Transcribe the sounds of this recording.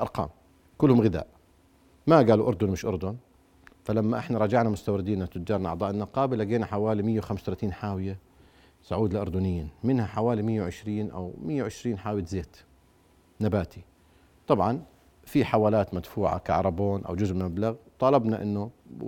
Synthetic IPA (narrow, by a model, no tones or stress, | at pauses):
ʔɑ̰ɾˤqɑ̰ːm | kʊlːhʊmɣɪða̰ːʔ | maɡaːluʔʊɾˤd̪ʊnmɪʃʔʊɾd̪ʊn | falamːaʔɪħnaɾˤɑd͡ʒaʕnamʊst̪awɾɪd̪iːnat̪ːʊd͡ʒːɑːɾˤnʔɑʕt̪ˤɑːʔɪnːaqɑːbɪlaɡeːnaħawaːlimɪjːawxamst̪alat̪iːnħaːwɪja | sʊʕuːd̪laʔʊɾˤd̪ʊnɪjːamɪnhaħawaːlimɪjːawʕɪʃɾiːnʔa̰wmɪjːawʕɪʃɾiːnħaːwjt̪zeːt̪ | nabaːt̪i | t̪ˤɑbʕɑn | fiħawaːlaːt̪mad̪fuːʕa̰ka̰ʕɾˤɑboːnʔa̰wd͡ʒʊzʔmablaɣt̪ˤɑːlɑbnaʔɪ̰nːʊ